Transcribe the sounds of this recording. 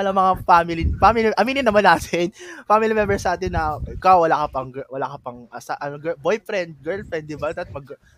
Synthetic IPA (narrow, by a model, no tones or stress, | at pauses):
alɐŋmɐŋafamɪlifamiliʔɐmiːnɪnɐmanaːt̪ʰɪnfamɪlimɛmbɛɹsɐʔaːt̪ɪnːɐʔɪkawwɐlaːkɐpɐŋɡɛwɐlakɐpɐŋʔɐsaʔɐnoɡɛbojfɾɛnd̪̚ɡɛɹlfɛnd̪ɪbɐd̪ɐt̪̚mɐɡ